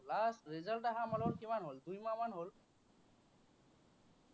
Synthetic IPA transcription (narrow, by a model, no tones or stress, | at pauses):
lasɹezaltaɦamalɔlkimanɦoldujmamanɦol